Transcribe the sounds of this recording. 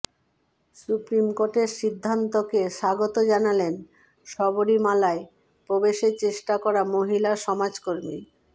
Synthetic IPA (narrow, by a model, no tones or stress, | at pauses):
supɾimkoʈeɾʃid̪ʱːant̪okeʃaɡot̪od͡ʑanalen | ʃɔboɾimalae | pɾobeʃeɾt͡ɕeʃʈakɔɾamoɦilaʃɔmad͡ʑkoɾmi